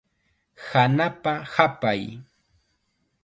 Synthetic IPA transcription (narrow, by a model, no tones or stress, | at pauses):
hanapahapaj